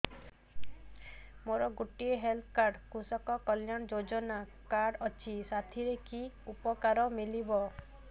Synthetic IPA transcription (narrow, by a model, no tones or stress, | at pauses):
moɾɔɡuʈieɦelt̪ʰkaɾɖkusɔkɔkɔljaɽ̃ɔd͡ʒod͡ʒɔna | kaɾɖɔt͡ʃʰisat̪ʰiɾeki | upɔkaɾɔmilibɔ